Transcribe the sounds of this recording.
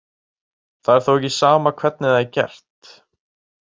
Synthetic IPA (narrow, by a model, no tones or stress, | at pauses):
θaðɛɾ̥θowɛçc̬ːisaːmakʰvɛt̪̚nɪðaɛcɛ̰r̥t̪